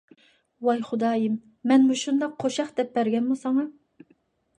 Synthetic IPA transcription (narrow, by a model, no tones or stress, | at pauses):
wɑjχʊd̪ɑːjimː | ɛnmuʃund̪ɑqːʰoʃɑχd̪̥ɛp̚bæɾɡʲɛnmusɑŋɑ